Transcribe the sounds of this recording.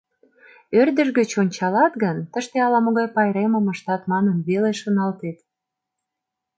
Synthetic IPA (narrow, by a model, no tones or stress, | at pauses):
ørd̪ə̆ʒɡə̆t͡ɕonʲt͡ɕɑlɑt̪ɡənt̪əʃt̪eɑlɑmoɣɑjpɑjɾemə̆mə̆ʃt̪ɑt̪mɑnənβeleʃonɑlt̪et̪